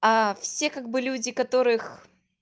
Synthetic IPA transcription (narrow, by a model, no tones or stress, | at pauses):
ɐfsʲe̞kaɡ̚bɨlʲudʲɪkɐt̪o̞ɾɨx